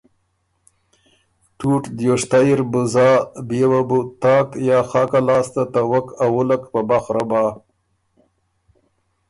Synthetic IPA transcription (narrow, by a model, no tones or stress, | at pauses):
ʈuʈd̪joʂt̪ajɾbʊzɑːbewabut̪ɑːkjɑːxɑːkalɑːst̪at̪awəkawʊləkpabaxɾabɑː